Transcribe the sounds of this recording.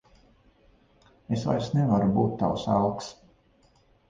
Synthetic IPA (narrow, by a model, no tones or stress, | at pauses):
esva̰jsnɛvaɾubuːt̪ːa̰wsa̰lˠks